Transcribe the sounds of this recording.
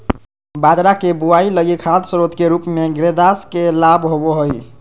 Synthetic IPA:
bad͡ʒɾakebuailəɡikʰad̪sɾot̪keɾupmeɡɾed̪askelabɦoboɦəj

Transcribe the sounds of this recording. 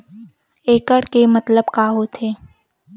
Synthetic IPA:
eːkəɽkemət̪ləbkaːɦot̪ʰeː

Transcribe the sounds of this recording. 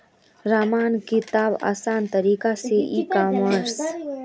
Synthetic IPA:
ɾaːmaːnkɪt̪aːba̰ːsaːnt̪əɾiːkaseʔiːkaːməɾs

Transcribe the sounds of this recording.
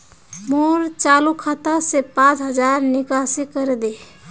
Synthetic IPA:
moːɾt͡ʃaːlukʰat̪asepãt͡ʃɦəd͡ʒaːɾnɪkasekəɾed̪e

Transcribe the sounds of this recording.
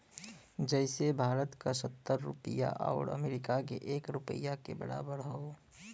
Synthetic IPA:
d͡ʒɛːɪsebʱaːɾət̪kasət̪ːəɾːʊ̰pḭja̰ʔa̰ːʊɽə̰meːɾɪkakḛʔeːkɾʊpəjakḛbɐ̰ɽa̰ːbəɾɦoː

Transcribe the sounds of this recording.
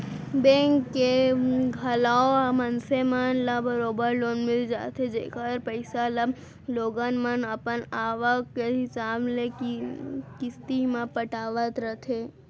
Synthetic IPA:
bẽːŋkːeɡʱɐlaːoamənsemənlabʱəɾoːbəɾloːnmɪld͡ʒa̰ːt̪ʰed͡ʒḛkaɾpəɪsalə | loːɡanmənəpənaːʋəkːeɦɪsaːble | kɪst̪imãpəʈaːʋət̪ɾət̪ʰe

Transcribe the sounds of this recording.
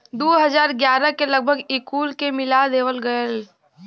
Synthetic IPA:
d̪oːɦəzaːɾɡjaːɾəkeləɡ̚bʱəɡɪkuːlkemɪlad̪eːʋəlɡəel

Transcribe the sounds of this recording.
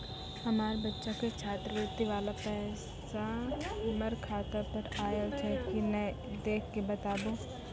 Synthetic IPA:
hɐmaːɾebɐtːʃaket͡ʃʰaːt̪ɾəʋut̪iʋaːlapɛː | saməɾkʰaːt̪əpɐɾaːjət͡ʃʰɛkinɛ̃ | d̪eːkʰːebɐt̪aːbõ

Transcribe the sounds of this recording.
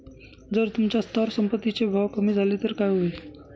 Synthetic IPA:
d͡zəɾt̪umt͡ɕast̪ʰɔɾsəmpət̪ːit͡ɕebʱawkəmiːd͡zʱalet̪əɾkajɦoi

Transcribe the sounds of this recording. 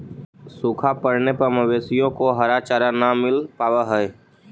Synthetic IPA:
sʊkʰapəɾnepəɾməʋeːsijõkoɦəɾat͡ʃaːɾanamɪlpaːʋaɦɛɛ

